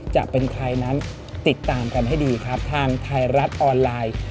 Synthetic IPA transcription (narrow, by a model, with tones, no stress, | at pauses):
t͡ɕa̰˨˩ʔpe˧nkʰɾa˧jna˦˥n | t̪i˨˩t̪ːaː˧mka˧nɦa˥˩jdiː˧kʰɾa˦˥p̚t̪ʰaː˧ŋt̪ʰa˧jɾa˦˥t̪̚ʔɔː˧nlaː˧j